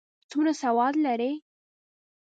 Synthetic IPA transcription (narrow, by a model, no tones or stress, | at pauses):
t͡sunasawɑd̪laɾe